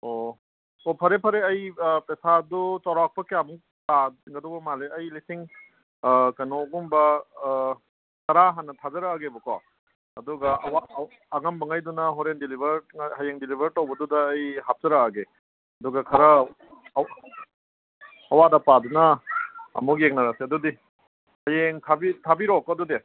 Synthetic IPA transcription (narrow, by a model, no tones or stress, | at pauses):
o | opʰɐɾepʰɐɾeɐjpesadutawɾak̚pɐkijamuŋ | taɡɐdɔwbɐmaleɐjlisiŋ | kɐnoɡumbɐ | tɐɾaɦanːɐtʰazɐɾɐaɡebukɔ̰ | ɐduɡɐwaː | ŋɐmbɐŋajdunɐɦɔɾendilibɐɾhajeŋdilibʱɐɾtowbɐdudɐːjhap̚zɐɾɐaɡe | ɐduɡɐkʰɐɾɐ | ɐwadɐpadunɐɐ̰muk̬̚jeŋ̚nɐɾasiɐdudi | hɐjeŋtʰabitʰabiɾɔkɐdude